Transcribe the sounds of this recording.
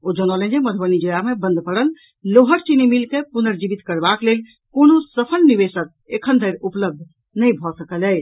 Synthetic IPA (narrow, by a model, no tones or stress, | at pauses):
od͡ʒənələ̃nd͡ʒeməd̪ʰʱbənid͡ʒojamebə̃nd̪ʱpəɽəl | loɦəʈt͡ʃinimilkepunəɾd͡ʒibit̪kəɾbaklel | konosəpʰəlnibesək̚ekʰənd̪ʱəjɾupləb̚d̪ʱ | nəjbʱɔsəkələ